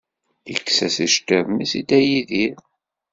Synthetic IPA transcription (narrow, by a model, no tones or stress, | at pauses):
ə̰kːsæsiʃt̪ːævmisid̪æjiðiɾ